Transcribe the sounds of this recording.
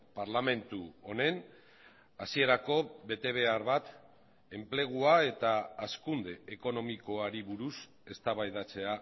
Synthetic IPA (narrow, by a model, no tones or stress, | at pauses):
paɾlame̞nt̪uo̞ne̞n | asie̞ɾako̞βe̞t̪e̞β̞e̞aɾβat̪ | e̞mple̞ɣ̞uae̞t̪aːskund̪e̞eko̞no̞miko̞aɾiβuɾus | e̞st̪aβajðat͡se̞a